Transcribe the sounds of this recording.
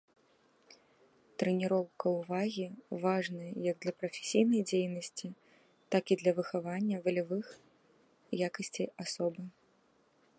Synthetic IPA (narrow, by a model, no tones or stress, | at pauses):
t̪ɾɛnʲiɾɔwkɐwvaɣʲivaʐnɐjɐjɐɡ̚d̪lʲɐpɾɐfʲe̥sʲijnɐjd͡zʲejnɐsʲt͡sʲi | t̪akid̪lʲɐvɨxavanʲːɐvɐlʲavɨx | jakɐsʲt͡sʲijasɔbɨ